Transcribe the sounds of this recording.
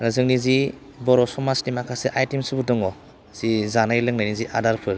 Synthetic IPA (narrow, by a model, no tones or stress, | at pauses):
ɾɯzɯŋnizi | bɔɾɔsɔmastimakʰaseʔajtimsɯbɯdɔŋɔ | z̥izanajlɯŋnajniziʔadaɾpʰɯɾ